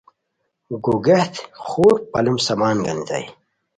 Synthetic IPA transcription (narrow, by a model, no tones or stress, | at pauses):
ɡoɡeht̪xoːɾpɐlumsɐmaːnɡɐ̰nza̰j